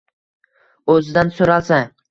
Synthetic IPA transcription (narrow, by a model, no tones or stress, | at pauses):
ɵzɪd̪ansoɾalˠsa